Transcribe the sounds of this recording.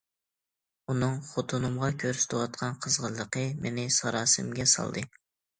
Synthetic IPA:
unɨŋχot̪ʰunɨmʁɑkʲʰøɾsy̥t̪ʰɪwɑt̪̚qʰɑnqʰəzʁəlˠːəqəmenɪsɑɾɑːsɨmɡʲɛsɑ̰lˠd̪ɨ

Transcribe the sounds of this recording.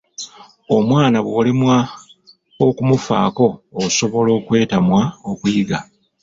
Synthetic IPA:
o̞mwaːnaβwo̞ːlimwa | okumufa̰ːko̞ːso̞βo̞lo̞ːkwe̞ːtamwaokujiɡa

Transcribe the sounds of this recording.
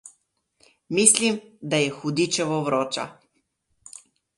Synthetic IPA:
miːslimd̪ajɛxud̪it͡ʃɛʋɔʋɾoːt͡ʃa̰

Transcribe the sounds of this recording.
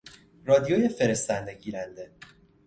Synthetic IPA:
rɒːd̪ijoːjefe̞ɾest̪ænd̪e̞ɟiːɾænd̪e̞

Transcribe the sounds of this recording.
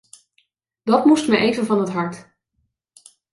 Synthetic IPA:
d̥ɑtmustməʔejvənvɑnɦətɦɑɹt

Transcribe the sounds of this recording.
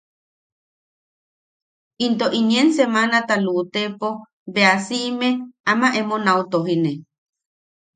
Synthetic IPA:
int̪oʔiniensemanat̪alut̪epo | beasiʔmeamaʔemonawt̪oɦine

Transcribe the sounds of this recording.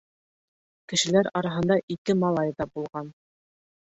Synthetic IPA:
kɘ̆ʃɘ̆læɾɑɾɑɦɤ̆nd̪ɑʔikɘmɑlˠɑjðɑbulˠʁɑn

